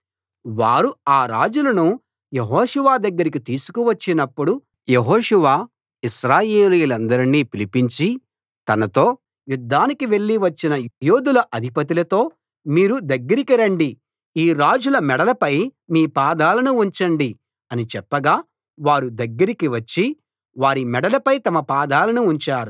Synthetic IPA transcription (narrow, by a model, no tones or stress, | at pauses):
ʋaːɾuaːɾaːd͡ʒulɐnu | jeɦɔːʃuʋaːd̪ɐɡːɐɾik̬it̪iːsu̥kuʋɐt͡ʃːinɐpːuɽu | jeɦoːʂuʋaː | iʃɾaːjeːlijulɐnd̪ɐɾiniːpilipiɲt͡ʃi | t̪ɐnɐt̪o̞ː | jud̪ʱːaːnikiʋe̞ɭːiʋɐt͡ʃːinɐjoːd̪ulɐʔɐd̪ʱipɐt̪̬ilɐt̪o̞ː | miːɾud̪ɐɡːɐɾikiɾɐɳɖi | iːɾaːd͡ʒulɐmɛɽɐlɐpɐjmiːpaːd̪aːlɐnuːɲt͡ʃɐɳɖi | ɐnit͡ʃɛpːɐɡaː | ʋaːɾud̪ɐɡːɐɾikiʋɐt͡ʃːi | ʋaːɾimɛɽɐlɐpɐjt̪ɐmɐpaːd̪aːlɐnuːɲt͡ʃaːɾu